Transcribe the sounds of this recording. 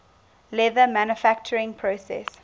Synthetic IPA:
lɛðəmæ̃nəfæk̚t͡ʃəɹɪ̃ŋpʰɹosɛ̰s

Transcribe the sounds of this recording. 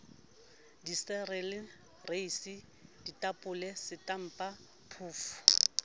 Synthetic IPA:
disɛrɛlɪ | reisi | d̥itʼapʼʊlɛsɪtʼam̩pʼa | pʰuːfʊ̥

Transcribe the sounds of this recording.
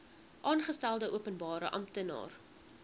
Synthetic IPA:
ʔɑːnχəstælˠdəʔuəpənbɑːɾəʔɐ̰mtənɑ̰ːr

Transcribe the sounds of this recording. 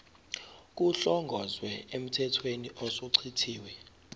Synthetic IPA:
k̬ʼuɬɔŋɡʱɔzwɛem̩tʰɛtʰweniʔɔsoǀʰitʰiːwɛ

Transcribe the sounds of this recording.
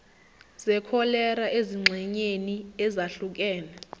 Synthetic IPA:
zɛkʰɔlɛɾaʔeziŋ͡ǁʱɛɲeniɛzaɬuk̬ɛːna

